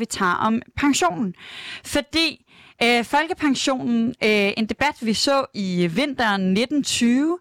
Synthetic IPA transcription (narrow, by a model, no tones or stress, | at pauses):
ʋit͡sʰɑ̰̈ːɒ̽mpʰɑ̈ŋɕo̝̰ːnn̩fɒ̽d̥ḭː | fɒ̽lɡ̥əpʰɑ̈ŋɕo̝̰ːnn̩e̝nd̥e̝b̥æd̥ʋisɔ̰̽ːiʋe̝n̰d̥ɐnne̝d̥n̩t͡sʰyːʋə